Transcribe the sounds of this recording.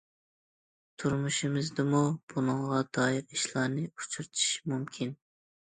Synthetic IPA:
t̪ʰuɾmuʃimɨzd̪ɨmub̥unɨŋʁɑd̪ɑːjiɾiʃlˠɑɾnɨut͡ʃʰuɾt̪ʰi̥ʃmumkʲʰin

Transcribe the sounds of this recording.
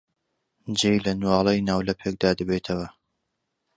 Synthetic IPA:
d͡ʒejlɐnwɑːlˠejnaːwlɐpʰek̚d̪aːd̪ɐbeːt̪ʰɐwɐ

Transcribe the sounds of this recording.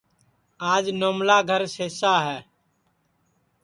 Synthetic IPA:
aːd͡ʒnoːmlaːɡʱəɾseːsaːɦɛː

